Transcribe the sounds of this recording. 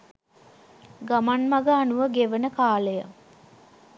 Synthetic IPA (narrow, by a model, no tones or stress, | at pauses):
ɡamanmaɡəːnuʋəɡeʋənəkaːləjə